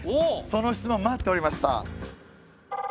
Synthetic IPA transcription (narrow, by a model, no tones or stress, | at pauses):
eso̞no̞çi̥t͡sɨmõmːat̪ːe̞o̞ɾimaɕi̥t̪a̰